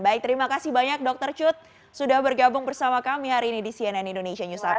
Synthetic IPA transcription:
baɪk̚t̪əɾimakasɪhbaɲak̚dɔk̚t̪ərt͡ʃʊt̪̚ | sudahbərɡabʊŋbərsamakamiɦaɾiːnidisiananindoneʃiaɲusa

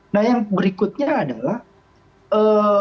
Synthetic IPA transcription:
nahjaŋbəɾikʊt̪̚ɲaːdalah | ə

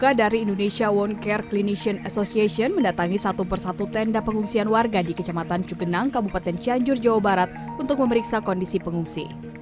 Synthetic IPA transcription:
kadaɾiːndonesiawɔnkɛrkliniʃiənasosiasiɔnməndat̪aŋisat̪upərsat̪ut̪ɛndapəŋuŋsianwarɡadikət͡ʃamat̪ant͡ʃuɡənaŋkabupat̪ɛnt͡ʃiaɲd͡ʒʊrd͡ʒawabaɾat̪̚unt̪ʊk̚məməɾiksakɔndisipəŋuŋsḭ

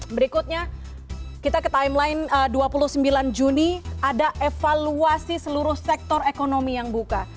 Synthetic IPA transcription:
bəɾikut̪̚ɲa | kit̪akət̪aɪmlaɪnəduapuluhsəmbiland͡ʒuniadaʔefaluasisəluɾʊhsɛk̚t̪ɔrekonomijaŋbuka

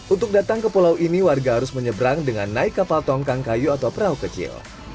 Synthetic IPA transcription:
ʔunt̪ʊk̚dat̪aŋkəpolawʔiniwarɡaɦaɾʊsməɲəbɾaŋdəŋanːaɪkːapalt̪ɔŋkaŋkajuat̪awpəɾaukət͡ʃɪ̰l

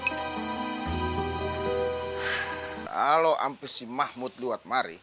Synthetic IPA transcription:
a̰lɔʔa̰mpəsimahmut̪̚luwat̪̚maɾḭ

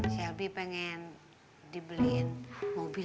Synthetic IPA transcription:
sɛlbipɛŋɛn | dibəlinmobi

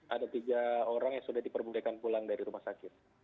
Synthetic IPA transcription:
ʔadat̪iɡaoɾaŋjaŋsudahdipərbulakanpulaŋdaɾiɾumahsakɪt̪̚

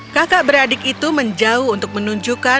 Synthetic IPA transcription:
kakaʔbəɾadɪkit̪uməɲd͡ʒaʊhunt̪ʊk̚mənuɲd͡ʒuka

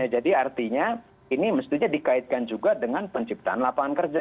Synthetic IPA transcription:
ad͡ʒadiart̪iɲa | iniməst̪iɲadikaɪt̪̚kand͡ʒuɡadəŋanpəɲt͡ʃip̚t̪aanlapaankərd͡ʒa

